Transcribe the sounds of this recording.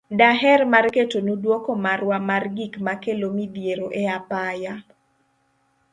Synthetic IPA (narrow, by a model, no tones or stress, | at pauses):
daɦɛrmarketonudwokomarwamarɡikmakelomid̪jeɾoʔɛapaja